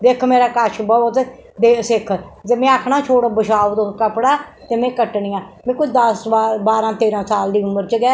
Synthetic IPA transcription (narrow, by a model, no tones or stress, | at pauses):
d̪eːkʰmeːɾaːkaːʃbɔət̪ | d̪eːsɪkʰzemɛ̃ːaːkʰɳaːt͡ʃʰoːʈaːbəʃaːʋd̪okəpɽaːt̪eːmɛ̃ːkəʈɳɪjãːmɛ̃ːkʊt͡ʃʰd̪əsabaːɾãːt̪eːɾãːsaːld̪iːʊməɾt͡ʃəɡɛː